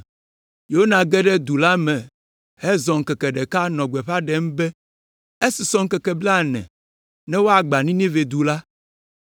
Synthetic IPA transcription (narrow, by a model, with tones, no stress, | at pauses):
jo˨o˦nã˨ɡɛ˦ɖɛ˦d̪u˨la˦mɛ̃˨ | hɛ˦zɔ̃˨ŋ̩˨kɛ˨kɛ˨ɖɛ˨ka˦nɔ̃˨ɡ͡bɛ˨ɸa˦ɖɛ˦m˦bɛ˦ | e˦si˨sɔ̃˦ŋ˦kɛ˨kɛ˨bla˦˨nɛ̰̃˨ | nɛ̃˦wo˦a˨ɡ͡ba˨nĩ˦nĩ˦ve˨d̪u˨la˦